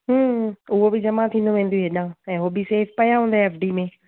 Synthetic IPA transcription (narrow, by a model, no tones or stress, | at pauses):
ɦːʊɦobɪd͡ʑɐmat̪ʰĩːn̆d̪oʋẽːn̆d̪ijoɦeɗãɛ̃ːɦoːbiseːfpɐjãɦũːnd̪aɦeɛːfɖiːmẽ